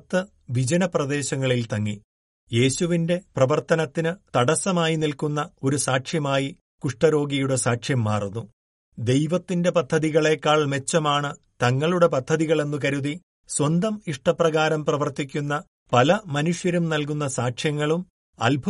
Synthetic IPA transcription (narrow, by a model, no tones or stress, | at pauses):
t̪ːɨ | ʋid͡ʑɐnɐprɐd̪e̞ːɕɐŋːɐɭilt̪ɐŋːi | je̞ːɕuʋinde̞prɐʋɐrt̪ɐnɐt̪ːinɨt̪ɐɽɐsɐmaːjinilkunːɐo̞ɾusaːkʂjɐmaːji | kuʂʈɐɾo̞ːɡijuɽesaːʂjɐmːaːrunːu | d̪e̞jʋɐt̪ːinde̞pɐd̪ʱːɐðiɣɐɭe̞ːkːaːɭme̞t͡ɕːɐmaːɳɨ | t̪ɐŋːɐɭuɽe̞pɐd̪ʱːɐðiɣɐɭe̞nːuk̬ɐɾuði | swɐnd̪ɐmiʂʈɐprɐɣaːɾɐmprɐʋɐrt̪ikʲːunːɐ | pɐlɐmɐnuʂjɐɾumnɐlk̬unːɐsaːkʂjɐŋːɐɭum | ɐ̰lbʱ